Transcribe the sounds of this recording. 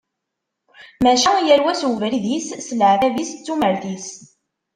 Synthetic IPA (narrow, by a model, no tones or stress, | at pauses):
mæʃjæɾwæswvɾiðissəlʕðævist͡sːuməɾθis